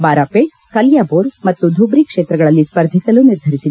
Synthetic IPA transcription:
baːɾaːpeʈ | kɐljaːboːɾmɐt̪ːud̪ʱubɾikʂeːt̪ɾɐɡɐɭɐlːispɐɾd̪ʱisɐluniɾd̪ʱɐɾisil

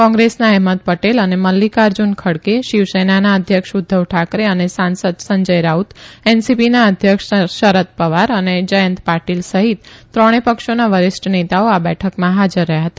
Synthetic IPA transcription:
kɔ̃ŋɡɾesnaɛɦmət̪̚pəʈeləneməlːikaɾd͡ʒunkʰəɽkeʃiʋsenanaəd̪ʱjəkʃud̪ʱːəʋʈʰakɾeənesãnsəd̪səɲd͡ʒəjɾaut̪ɛnsipinaəd̪ʱjəkʃʃəɾət̪̚pəʋaɾəned͡ʒəjə̃nt̪paʈilsəɦit̪ːɾəɽ̃epəkʃonaʋəɾɪsʈnet̪aoabɛʈʰəkmãɦad͡ʒəɾːəɦjaɦət̪a

